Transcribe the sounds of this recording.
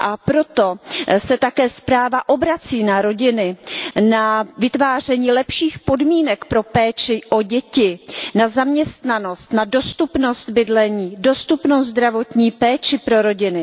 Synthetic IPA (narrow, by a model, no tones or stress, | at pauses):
ʔapɾo̞t̪o̞sɛt̪akɛːspɾaːvaʔo̞bɾat͡siːnaɾo̞ɟɪnɪnavɪt̪vaːr̝ɛɲiːlɛpʃiːxpo̞dmiːnɛkpɾo̞pɛːt͡ʃɪʔo̞ɟɛcɪnazamɲɛst̪nano̞st̪nado̞st̪upno̞st̪bɪdlɛɲiːdo̞st̪upnozd̪ɾavo̞t̪ɲiːpɛːt͡ʃɪpɾo̞ɾo̞ɟɪnɪ